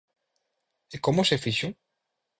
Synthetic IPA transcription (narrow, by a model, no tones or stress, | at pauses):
ekomʊsefiʃu